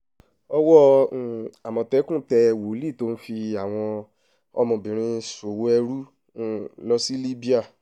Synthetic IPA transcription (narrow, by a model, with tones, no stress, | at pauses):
ɔ˧wɔ˦˨ | a˨mɔ̃˨tɛ˨˦kũ˦˨tɛ˧wo˨˦li˦˨to˦n̩˦fi˧a˨w̃ɔ̃˧ | ɔ̰˧mɔ̃˨bĩ˨ɾ̃ĩ˧˦so˨wo˦ɛ˧ɾu˦˨˦ | lɔ˦si˦li˦bi˦a˦˨